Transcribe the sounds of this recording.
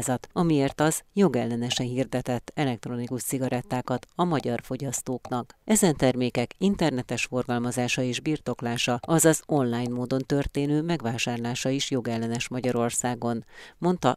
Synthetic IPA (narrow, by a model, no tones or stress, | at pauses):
zɒt̪ɒmieːrt̪ɒzjo̞ɡɛlːɛnɛʃɛnɦird̪ɛt̪ɛt̪ːɛlɛk̚t̪ro̞nikuʃt̪siɡɒɾɛt̪ːaːkɒt̪ɒmɒɟɒrfo̞ɟɒst̪oːknɒkɛzɛnt̪ɛrmeːkɛkint̪ɛrnɛt̪ɛʃfo̞rɡɒlmɒzaːʃɒeːʒbirt̪o̞klaːʃɒɒzɒzo̞nlaːjnmoːd̪o̞nt̪ø̞rt̪eːnøːmɛɡʋaːʃaːrlaːʃɒiʃjo̞ɡɛlːɛnɛʃmɒɟɒɾo̞rsaːɡo̞nmo̞nt̪ɒ